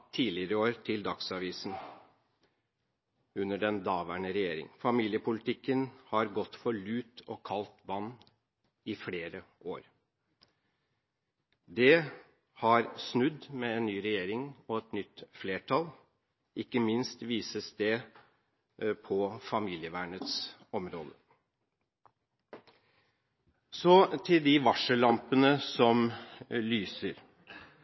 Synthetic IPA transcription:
t̪ʰiːlɪəɾəoːɾt̪ʰɪld̪ɑksɑʋiːsn̩ | ʉnːəɖɛnd̪ɑːʋæɳəɾɛjeːɾɪ̰ŋfɑmiːljəpʰʊlɪt̪ʰɪkːənhɑɾɡɔt̪ːfɔɭʉːt̪ɔkʰɑlt̪ʋɑnː | ɪfleːɾəoːɾ | d̪ɛ | hɑɾsnʉd̪mɛɛnnyːɾɛjeːɾɪŋɔɛt̪nʏt̪ːfleːʈʰɑl | ɪkːəmɪnst̪ʋiːsəst̪eː | pʰɔfɑmiːlɪəʋæːɳət̪sɔmɾo̰ːd̪ə | sɔt̪ʰɪld̪ɪʋɑʂəlɑmpənəsɔmlyːsəɾ

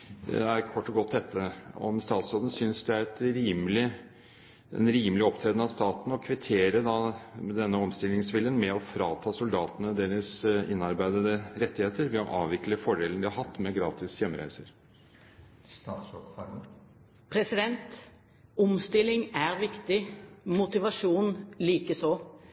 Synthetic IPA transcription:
d̪ɛ̰æɾkʰɔʈːɔɡɔt̪ːd̪ɛt̪ːəɔ̰mst̪ɑːt̪soːd̪ən̩sʏnsd̪ɛæɾɛt̪ɾiːmlɪ | ɛ̰nɾiːmlɪɔpt̪ʰɾeːd̪n̩ɑʋst̪ɑːt̪n̩ɔkʰʋɪt̪ʰeːɾəd̪ɑd̪ɛnːəɔmst̪ɪlːɪŋsʋɪljənmɛɔfɾɑːt̪ʰɑːsʊld̪ɑːt̪ənəd̪eːɾəsɪnːɑɾbæɪd̪əd̪əɾɛt̪ːɪheːt̪əɾʋɛɔʔɑːʋʋɪkləfɔɖeːlənd̪ɪhɑɾhɑt̪ːmɛɡɾɑːt̪ɪsjɛmːəɾæ̰ɪsəɾ | t̪ɑːt̪sɔkfɑ | pʰɾɛsɪd̪ɛnt̪ | ɔmst̪ɪlːɪŋæɾʋɪkt̪ɪmʊt̪ɪʋɑʂuːnliːkəsɔ

